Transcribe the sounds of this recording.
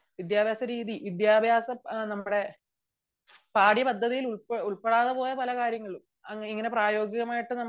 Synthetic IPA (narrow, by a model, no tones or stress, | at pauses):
ʋid̪jaːbʱjaːsɐɾiːðiʋid̪jaːbʱjaːsɐnɐmːuɽe̞ | paːɽjiɐpɐd̪ʱːɐðijiluɭpuɭpeɽaːðɨpo̞ːjɐpɐlɐkaːɾjɐŋːɐɭum | ɐŋːiŋːɐne̞praːjo̞ːɡiɣɐmaːjiʈːɨnɐmː